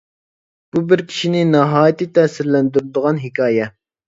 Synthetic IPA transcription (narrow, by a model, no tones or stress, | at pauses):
b̥ubɪɾkʲʰi̥ʃinɪnɛɦɑːjɪt̪ɨt̪ʰɛsɪɾlɛnd̪yɾd̪əʁɑnɦɪkʰɑːjɛ